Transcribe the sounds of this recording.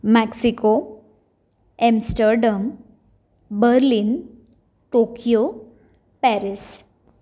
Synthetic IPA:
mɛksiko | ɛmsʈəɾɖəm | bəɾlin | ʈokijo | pɛɾis

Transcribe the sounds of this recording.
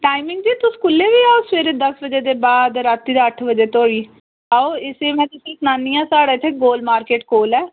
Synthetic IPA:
ʈaːɪmɪŋɡd͡ʒiːt̪ʊskʊlːeːʋiːaːosʋeːɾed̪əsʋəd͡ʒeːd̪eːbaːd̪ɾat̪ːiːd̪aəʈʰʋəd͡ʒeːt̪oːiː | aːoːɪseːmɛ̃ːt̪ɪsĩːknaːnːijãːsaːɽaːɪt̪ʰːeːɡoːlmaːɾkeːʈkoːlɛː

